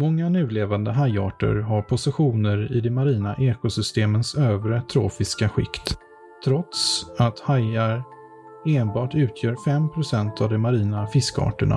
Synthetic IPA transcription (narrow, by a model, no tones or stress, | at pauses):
mɔŋːanʉ̟ːleːvand̪əɦajɑ̰ːʈə̰ɾɦaɾpʰʊsɪɧuːnəɾɪd̪ɛmaɾiːnaʔɛːkʊsʏst̪eːmənsøːvɾət̪ʰɾo̰ːfɪskaɧɪ̰kt̪ | t̪ʰːɾɔt̪sat̪hajaɾ | eːnbɑːʈʉ̟ːt̪ʰjœːɾfɛmpʰɾʊsɛnt̪ʰavd̪ɛmaɾiːnafɪskəɑ̰ːʈəɳa̰